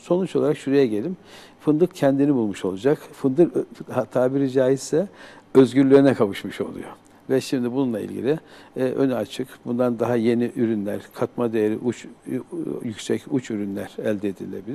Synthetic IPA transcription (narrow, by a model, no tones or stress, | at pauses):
so̞nut͡ʃo̞lˠaɾakʃuɾejɛɟe̞lʲim | fɯnd̪ɯkcʰɛnd̪inibulˠmuʃo̞lˠud͡ʒakfɯnd̪ɯɾhat̪ʰaːbiɾid͡ʒaːjiz̥sɛøzɟyɾlʲeɾinɛkʰavɯʃmɯʃo̞̰lˠṵjo̰ | vɛʃimd̪ibununlˠaḭlʲɟḭlʲiʔønɛat͡ʃʰɯkbund̪and̪aɦaje̞niʔyɾynlʲæɾ̥kʰat̪mad̪ejeɾḭʔut͡ʃ | jycsɛcut͡ʃyɾynlʲæɾælʲd̪ɛːd̪ḭlʲilʲe̞̰bilʲiɾ